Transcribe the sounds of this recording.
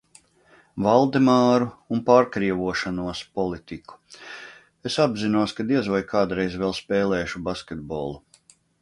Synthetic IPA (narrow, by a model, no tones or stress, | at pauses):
valˠd̪emaːɾuːnpaːɾkɾiɛvuɔʃanuɔspɔlˠit̪iku̥ | esabzinuɔskad̪iɛzvajkʰaːd̪ɾɛjzvɛlˠspɛːlɛːʃubaskʲet̪̚bɔlˠu